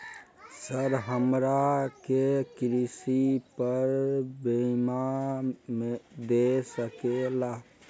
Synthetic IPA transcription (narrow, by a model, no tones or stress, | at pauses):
səɾɦəmɾakekɾisipəɾbema | med̪esəkela